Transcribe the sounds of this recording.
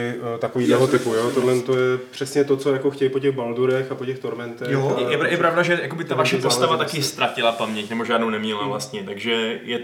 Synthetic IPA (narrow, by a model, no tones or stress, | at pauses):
ɪt̪akoviːdlɛɦot̪ɪpujoːt̪odlɛnt̪ojɛpr̝̥ɛsɲɛt̪ot͡sojakoxcɛjpoc̬ɛɣbalduɾɛxapocɛxt̪oɾmɛnt̪ɛjojɛjɛpɾavdaʒɛjakobɪt̪avaʃɛpost̪avat̪akɪst̪ɾacɪlapamɲɛcnɛboʒaːdnownɛmɲɛlavlast̪ɲɛt̪aɡʒɛjɛ